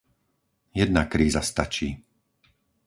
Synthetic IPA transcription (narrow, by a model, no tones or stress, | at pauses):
jɛd̪̚nakɾiːzast̪at͡ʃiː